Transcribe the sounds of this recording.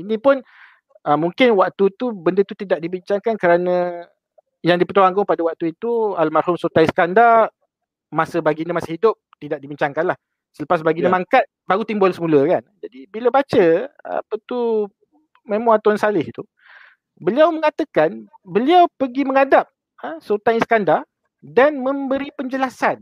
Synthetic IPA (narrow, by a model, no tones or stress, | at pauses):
inĩpʊn | əmuŋkɪnwak̚t̪ut̪ubəndət̪ut̪idaʔ̚dibiɲt͡ʃaŋkankəɾanə̃ | jaŋdipət̪uaŋɡʊŋpadəwak̚t̪uit̪ualmarhʊmsot̪ajsə̥kandar | masəbaɡinəmasəhidʊp̚t̪idaʔ̚dibiɲt͡ʃaŋkanlah | sələpas̬baɡinəmaŋkat̪̚baɾut̪imbɔlsəmũləkand͡ʒadibiləbat͡ʃəa̰pət̪u | memãat̪ɔnsalɪhit̪u | bəliawməŋat̪əkan | bəliawpəɡiməŋadap̚ | asot̪ajisə̥kandar | danmə̃mbəɾipəɲd͡ʒəlasan